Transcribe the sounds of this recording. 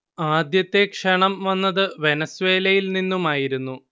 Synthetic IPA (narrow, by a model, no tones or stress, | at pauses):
aːd̪jɐt̪ːe̞kʂɐɳɐmʋɐnːɐðɨʋe̞nɐsʋe̞ːlɐjilninːumaːjiɾunːu